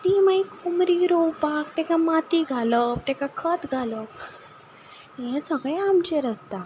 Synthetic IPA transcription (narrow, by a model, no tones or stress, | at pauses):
t̪imaikʰomɾiɾowpakt̪ɛ̃kamat̪iɡʱaləp̚t̪ɛ̃kakʰət̪ɡʱaləp | jɛ̃səɡɭẽamt͡ɕeɾəst̪a